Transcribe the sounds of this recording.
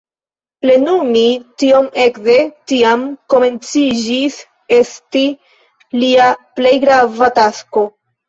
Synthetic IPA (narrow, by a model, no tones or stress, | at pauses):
ple̞numitio̞me̞kze̞tiamko̞me̞nt͡sid͡ʒis | e̞sti | liaple̞jɡɾavatasko̞